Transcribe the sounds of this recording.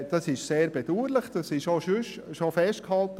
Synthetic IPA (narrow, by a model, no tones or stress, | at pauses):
d̥ɑsɪʃseːɾbed̥uːɾləχd̥ɑsɪʃoʃʏʃ | ʃofɛʃt̚khɑlt̪ə